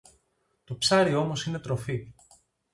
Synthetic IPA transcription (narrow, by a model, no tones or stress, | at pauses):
t̪o̞psɐɾio̞mo̞sine̞t̪ɾo̞fi